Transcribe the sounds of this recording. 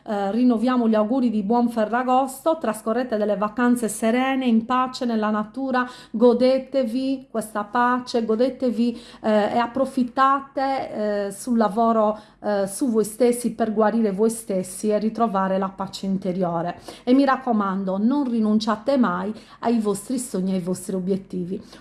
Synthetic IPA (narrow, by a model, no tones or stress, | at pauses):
rinːovjaːmɔʎawɡuːɾid̪ibwɔɱfɛrːaɣɔst̪ɔt̪ɾaskɔrːɛːt̪ɛd̪ɛlːɛvakant̪sɛsɛɾɛːnɛimpat͡ʃɛnɛlːanat̪uːɾa | ɡɔd̪ɛt̪evikwɛst̪apat͡ʃɛɡɔd̪ɛt̪eviɛapːɾofit̪ːaːt̪esulːavɔːɾɔ | suvɔjst̪esːipɛrɡwaɾiːɾɛvɔjst̪esːiɛrːit̪ɾɔvaːɾɛlapat͡ʃːɛint̪eɾjɔːɾɛɛmːiɾakːɔmand̪ɔnɔnrinunt͡ʃat̪ɛmaj | aivost̪ɾisoɲːiajvost̪ɾiobjet̪ːiːvi